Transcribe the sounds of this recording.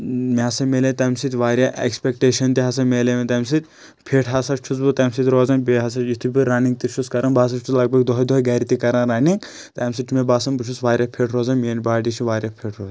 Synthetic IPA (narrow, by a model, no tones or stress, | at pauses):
meɦɐsɐmeːlet̪ɐmsit̪ʲʋaːɾjaʔḛkspekʈeːʃɐnt̪iɦɐsɐmeːlemet̪ɐːmsit̪̚ʲ | pʰeːʈʰɦɐsɐt͡ʃʰus̬but̪ɐmsit̪ʲɾoːzɐnbeɦɐs̬ɐit̪ʰubiɾɐniŋɡt̪it͡ʃʰuskɐɾɐ̃nbaːs̬ɐt͡ʃʰulɐɡ̚bɐɡd̪ɔɦd̪ɔɡɐːɾit̪ikɐɾãnɾɐniŋɡ | t̪ɐmsit͡ʃʰmebaːsɐnbut͡ʃʰusʋaːɾʲjapʰeʈʰɾoːzɐnmeːnbaːɖit͡ʃʰiʋaːɾjɐpʰeːʈʰɾoːzɐ